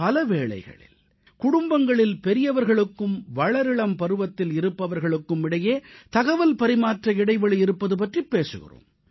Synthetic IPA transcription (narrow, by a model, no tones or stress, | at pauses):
pɐlɐʋeːɭɐ̰ɪɣɐ̰ɭɪ̰l | kʊɽʊmbɐŋɡɐɭɪlpɛɾɪjɐʋɐɾɣɐɭɯkːɯmʋɐɭɐɾɪɭɐmpɐɾɯʋɐt̪ːɪlɪɾɯpːɐʋɐɾɣɐɭɯkːɯmɪɽɐjeːt̪ɐɣɐʋɐlpɐɾɪmaːʈrɐɪɽɐɪʋɐɭɐɪɾɯpːɐðɯp̬ɐʈripːeːsɯ̰ɣɪ̰ro̰ːm